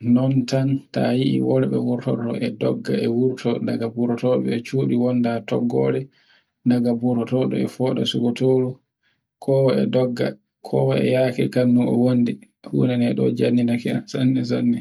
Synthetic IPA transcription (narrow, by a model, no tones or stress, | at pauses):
nɔntantajiʔḭwɔlɓɛwuɾtɔtɔ̰ʔɛdɔɡːa̰ɛwuɾtɔdaɡabuɾɔtɔɓɛɛt͡ʃuːɗiwɔndatɔ̰ɡːɔɾɛ | naɡabuɾɔtɔɗɔ̰ɛfɔːɗɔ̰suɡɔtoːlu | kʰɔwɔɛdɔɡːa̰ | kʰɔwɔɛ̰jakḭkanːuɔwondi | hṵːnɛnɛɗɔ̰d͡ʒanːinakɛansanːɛzanːi